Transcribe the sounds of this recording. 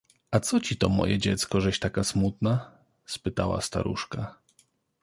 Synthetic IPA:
at̪sɔt͡ɕit̪ɔmɔ̰jɛd͡ʑɛt̪skɔʐɛɕt̪akasmut̪na | spɘt̪awa̰st̪a̰ɾṵʂka

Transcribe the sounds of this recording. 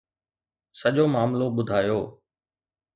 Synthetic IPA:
səʄoːmaːmloɓʊd̪ʱaːjoː

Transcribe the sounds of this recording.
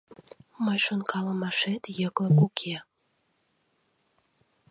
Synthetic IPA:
məjʃonkʰɑlə̆mɑʃet̪jəkləkukʰe

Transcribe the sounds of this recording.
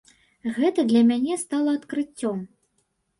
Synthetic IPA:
ɣɛt̪ɐd̪lʲɐmʲanʲɛst̪alˠɐɐt̪kɾɨt͡sʲːɔm

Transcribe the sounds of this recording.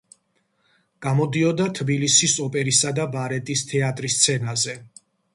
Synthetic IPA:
ɡ̥amɔd̪iɔd̪at̪ʰbilisisɔpʼɛɾisad̪abaɾɛt̪ʼist̪ʰɛat̪ʼɾist̪sʰɛnazɛ

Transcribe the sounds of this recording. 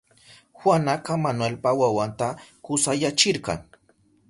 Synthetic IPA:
xwanakamanwelpawawant̪akʊsajat͡ʃɪɾqɑ̰ŋ

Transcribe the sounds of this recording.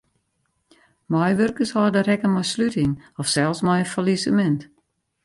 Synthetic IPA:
majʋørkəshɔːdəɾɛkəmɔjslytɪŋɔfsɛlˠsmɔjənfalisəmɛnt

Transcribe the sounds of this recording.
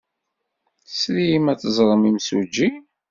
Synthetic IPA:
sɾijimæt͡sːəzˤɾˤəmimsṵd͡ʒi

